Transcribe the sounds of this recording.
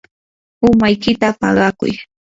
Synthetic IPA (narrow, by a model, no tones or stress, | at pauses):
ʊmajkɪt̪apɑ̰ɢɑkʊ̰j